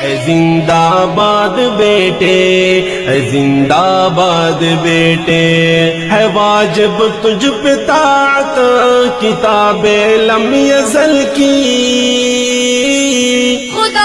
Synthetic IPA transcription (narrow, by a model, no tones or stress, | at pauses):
ɛzɪnd̪aːbaːd̪beːʈe | ɛzɪnd̪aːbaːd̪beːʈe | ɦɛʋaːd͡ʒɪbt̪ʊd͡ʒʱpet̪aːt̪akɪt̪aːbelɐmijɐzɐlki